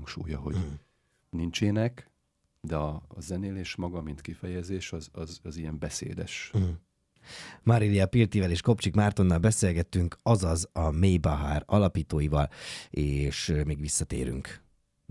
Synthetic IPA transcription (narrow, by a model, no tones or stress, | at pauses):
ŋkʃṵːjɒɦo | nint͡ʃeːnɛk | d̪ɛɒːzɛneːleːʃmɒɡɒmint̪kifɛjɛzeːʃɒzɒzɒzijɛmbɛsḛːd̪ɛʃɦ̩ | mɒɾiliɒpilt̪ivɛleːʃko̞pt͡ʃikmaːrt̪o̞nːɒlbɛseːlɡɛt̪ːyŋkɒzɒzɒmeːjbɒɦaːrɒlɒpiːt̪oːjivɒleːʃmiːɡʋisːɒt̪ḛːɾy̰ŋk